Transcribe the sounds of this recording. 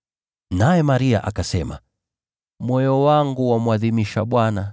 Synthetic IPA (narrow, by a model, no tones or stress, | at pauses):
najɛmaɾia̰ʔakasɛma | mwɔjɔwaŋɡuwamwaðimiʃaɓwana